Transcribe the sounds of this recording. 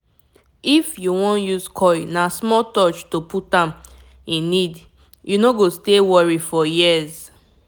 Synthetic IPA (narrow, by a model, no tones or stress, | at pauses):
ifjuwɔ̃njuzkʰɔjnasmɔtɔt͡ʃtoputãm | ĩnːid | junoɡostewɔɹifɔjiəz